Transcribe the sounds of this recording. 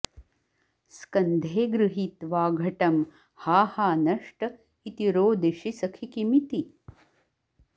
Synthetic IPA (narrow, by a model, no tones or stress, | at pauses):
skɐnd̪ʱeːɡɾɨɦit̪ʋaːɡʱɐʈɐm | haːhaːnɐʂʈɐ | it̪iɾoːd̪eʃisɐkʰikimit̪i